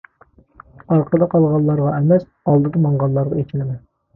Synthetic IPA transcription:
ɑɾqʰəd̪ɑqʰɑlˠʁɑnlːˠɑɾʁɑɛmɛs | ɑlˠd̪ɨd̪ɑmɑɴʁɑnlːˠɑɾʁɑet͡ʃʲʰilɪmɛn

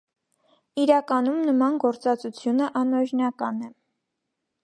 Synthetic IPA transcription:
iɾɑkɑnumnəmɑnɡɔɾt͡sɑt͡sut͡sʰjunəʔɑnɔɾnɑkɑnɛ

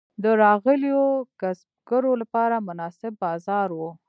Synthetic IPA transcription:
d̪əɾɑɣəljoɡ̥asb̚ɡəɾolapɑɾamʊnɑsɪbːɑzɑɾwu

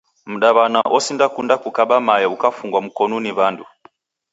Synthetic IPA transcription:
m̩ɗaβanaʔɔsindakundakukaɓamajɛukafuŋɡwam̩kɔnuniβandu

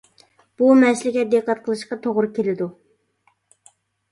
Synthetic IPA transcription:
b̥umɛslɪkʲɛt̪̚d̪eqʰːɑt̪̚qʰəlˠɨʃqɑt̪ʰoʁɾɨkʲʰelɪd̪u

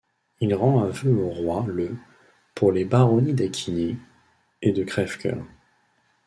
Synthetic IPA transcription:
ilʁɑ̃ɛ̃vøoʁwalə | puʁlebaʁɔnid̪akʲʰine | ed̪əkχɛfkʲœ̰ʁ

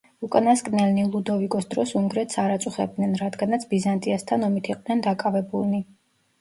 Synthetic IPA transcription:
ukʼanaskʼnɛlnilˠud̪ɔvikʼɔsd̪ɾɔsuŋɡɾɛt̪saɾat̪sʼuχɛ̰b̚d̪nɛnɾad̪ɡanat̪sʰbizant̪ʼiast̪ʰanɔmit̪ʰiqʼd̪nɛnd̪akʼavɛbulˠni

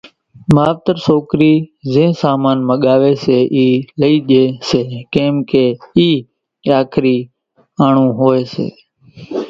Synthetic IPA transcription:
maːʋt̪əɾsoːkɾiːzẽːsaːmaːnməɠaːʋeːseːʔiːləiːʄeːseːkẽːmkeːiː | aːkʰɾiː | aːɳũːɦoːeːsḛː

